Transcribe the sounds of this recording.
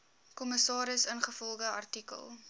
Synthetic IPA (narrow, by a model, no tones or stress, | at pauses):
kɔməsɑːɾəsənχəfɔlˠχəɐ̰rtikə̰lˠ